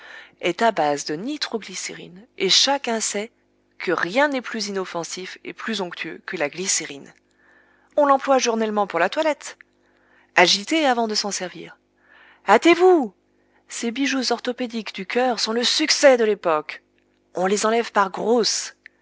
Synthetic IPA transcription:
ɛt̪abazd̪ənit̪χoɡliseʁḭneʃakʲɛ̃sɛ | kəʁjɛ̃nɛplyzinɔfɑ̃sifḛplyzɔ̃kt̪ʰyø̰kəlaɡliseʁin | ɔ̃lɑ̃plwaʒuʁnɛlmɑ̃puʁlat̪walɛt̪ | aʒit̪eavɑ̃d̪əsɑ̃sɛʁvḭːʁ | at̪evu | sebiʒuzɔʁt̪ɔped̪ikd̪ykʰœʁsɔ̃ləsyksɛd̪əlepɔk | ɔ̃lezɑ̃lɛvpaʁɡʁos

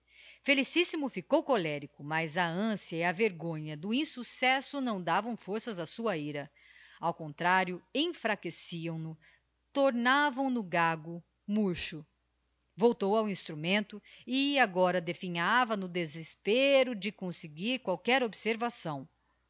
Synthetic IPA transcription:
felisisimʊfikowkolɛɾikʊmɐzɐɐ̃siɐiɐveɾɡõɲɐd̪ʊĩsusɛsʊnɐ̃w̃d̪avɐ̃w̃foɾsɐzɐsuɐiɾɐ | awkõnt̪ɾaɾjʊẽj̃fɾakesiɐ̃w̃nʊ | t̪oɾnavɐ̃w̃nʊɡaɡʊ | muɾʃʊ | vowt̪owawĩst̪ɾumẽnt̪ʊɪaɡɔɾɐd̪efĩɲavɐnʊd̪ezespeɾʊd͡ʒɪkõsɪɡiɾkwawkɛɾobseɾvasɐ̃w̃

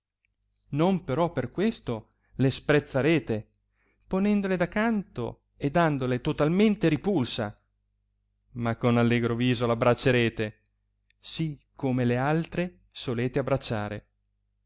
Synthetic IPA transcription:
nompeɾɔpːerkwest̪o | lespɾet̪sːaɾeːt̪e | ponɛnd̪oled̪akːant̪o̰ | ed̪ːand̪olet̪ot̪alment̪eɾipulsa | makːonalːɛːɡɾoviːzolabɾat͡ʃːeɾeːt̪e | sikʰːomelealt̪ɾe | soleːt̪eabɾat͡ʃːaːɾḛ

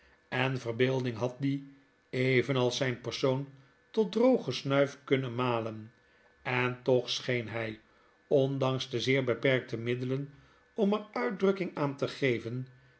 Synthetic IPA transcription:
ɛnvərbɪːlˠdɪŋɦɑt̚di | ejvənɑlˠsɛjnpəɹsown | tɔt̚drowχəsnœɥfkɵnənmaːlən | ɛntɔχsχejnɦɛj | ɔndɑŋsdəzɪːɹbəpɛɹk̚təmɪdələn | ɔmərœɥd̚drɵkɪŋaːntəχejvən

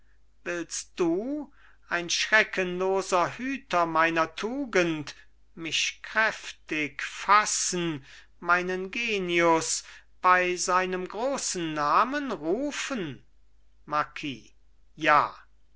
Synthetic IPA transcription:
vɪlst̚d̥uː | ʔaɪnʃʁɛkʰənloːzɐhyːtɐmaɪnɐtʰuːɡənt | mɪʃkʁ̥ɛftɪkfasn̩ | maɪnənɡeːniʊs | b̥aɪzaɪnəmɡʁoːsn̩ːaːmənʁuːfən | maɐkʰiː | jaː

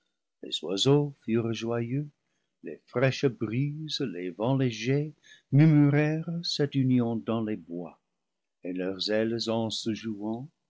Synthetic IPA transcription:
lḛzwa̰zofyʁʒwajø | lefʁɛʃbʁizlevɑ̃leʒemymyʁɛʁsɛtynjɔ̃dɑ̃lebwa | elœʁzɛlzɑ̃səʒuɑ̃

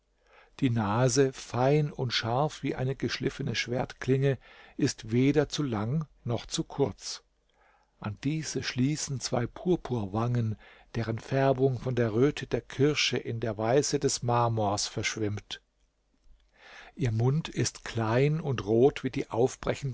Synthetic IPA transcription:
d̥iːnaːzəfaɪnʊntʃaɐfv̥iːʔa̰ɪnəɡəʃlɪfənəʃv̥eːɐtkl̥ɪŋəʔɪstv̥eːdɐt͡sulaŋnɔχt͡sukʰʊɐt͡s | ʔand̥iːz̥əʃliːsn̩t͡sv̥a̰ɪpʰuːɐpʰuːɐvaŋənd̥eːʁənfɛɐbʊŋfɔndeːɐʁøːtʰədeːɐkʰɪɐʃəʔɪndeːɐvaɪsədɛsmaːmoːɐsfɛɐʃv̥ɪmt | ʔiːɐmʊntɪstkl̥aɪnʊntʁoːtv̥iːdiːʔaʊfb̥ʁɛçn̩

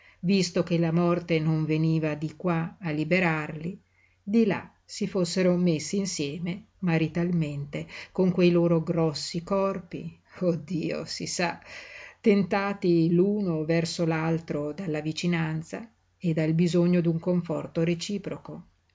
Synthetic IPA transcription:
vist̪ok̟elamɔrt̪enoɱveniːvad̪ikwaːlːibeɾarli | d̪ila̰ | sifosːeɾomesːiːnsjɛːme | maɾit̪alment̪ekoŋkwejloːɾoɡɾɔsːikɔrpḭ | od̪ːiːo̰sḭsat̪ːent̪aːt̪iluːnovɛrsolalt̪ɾod̪alːavit͡ʃinant̪sa | ed̪albizoɲːod̪uŋkoɱfɔrt̪oɾet͡ʃiːpɾoko

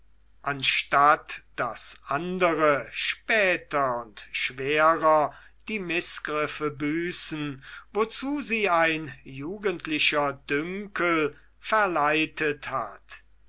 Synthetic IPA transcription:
ʔanʃtatd̥asʔandəʁəʃpɛːtɐʊntʃv̥eːʁɐ | d̥iːmɪsɡ̥ʁɪfəbyːsn̩vot͡suːziːaɪnjuːɡəntlɪʃɐdʏŋkʰəl | fɛɐlaɪtʰətha̰t

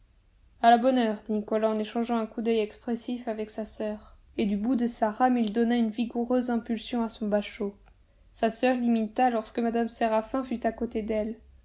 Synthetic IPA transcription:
alabɔnœʁd̪inikɔlaɑ̃neʃɑ̃ʒɑ̃ɛ̃kud̪œjɛkspχesifavɛksasœːʁ | ed̪ybud̪əsaʁamild̪ɔnaynviɡuʁøzɛ̃pylsjɔ̃asɔ̃baʃo | sasœʁlimit̪alɔʁskəmad̪amseʁafɛ̃fyt̪akot̪ed̪ɛl

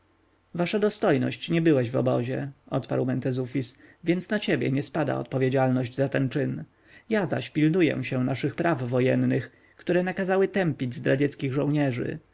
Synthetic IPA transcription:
vaʂad̪ɔst̪ɔjnɔ̰ɕt͡ɕɲɛbɘwɛʑvɔ̰bɔʑɛʔɔt̪pa̰ɾwmɛnt̪ɛzufʲisvʲjɛnsnat͡ɕebʲjɛ̰ɲɛspad̪a̰ɔ̰t̪̚pɔvʲjed͡ʑalnɔʑd͡ʑzat̪ɛnt͡ʂɘn | jaza̰ɕpʲilnujɛ̰̃ɕɛnaʂɘxpɾavːɔjɛnːɘx | kt̪uɾɛnakazawɘt̪ɛmpʲid͡ʑzd̪ɾad͡ʑɛt̪skʲiɣʐɔ̃w̃ɲɛʐɘ̰

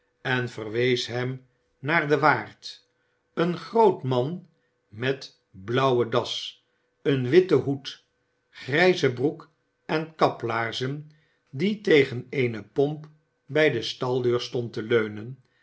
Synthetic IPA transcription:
ɛnv̥ərʋejsɦɛm | naːɹdəʋaːrt | ənχrowtmɑn | mɛt | blʌwədɑs | ənʋɪtəɦut | χrɛjzəbruk | ɛnkɑplaːɹzən | ditejχənejnəpɔmp | bɛjdəstɑlˠdøːɹstɔntəløɥnən

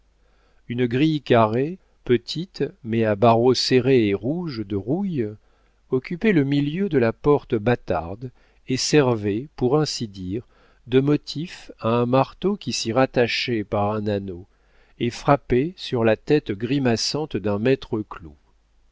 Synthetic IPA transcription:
ynɡʁijkaʁe | pət̪ʰit̪mɛabaʁoseʁeeʁuʒd̪əʁuj | ɔkʲypɛləmiljød̪əlapɔʁt̪bat̪a̰ʁd̪ | esɛʁvepuʁɛ̃sid̪iʁ | d̪əmɔt̪ʰifaɛ̃maʁt̪okʲisiʁat̪aʃɛpaʁɛ̃nano | efχapesyʁlat̪ɛt̪ɡʁimasɑ̃t̪d̪ɛ̃mɛt̪χəklu

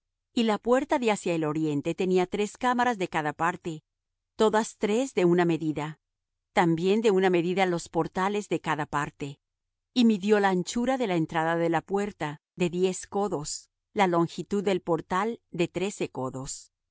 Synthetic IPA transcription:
ilapwe̞ɾt̪aðeasjaelo̞ɾje̞nt̪e̞t̪e̞niat̪ɾe̞skamaɾazðe̞kaðapaɾt̪e̞ | t̪o̞ðast̪ɾe̞zðe̞uname̞ðiða | t̪ambje̞nd̪e̞uname̞ðiðalo̞spo̞ɾt̪ale̞zðe̞kaðapaɾt̪e | imiðjo̞laːnt͡ʃuɾaðe̞laent̪ɾaðaðe̞lapwe̞ɾt̪a | ðe̞ðje̞sko̞ðo̞s | lalo̞ŋxit̪uðːe̞lpo̞ɾt̪ald̪e̞t̪ɾe̞se̞ko̞ðos

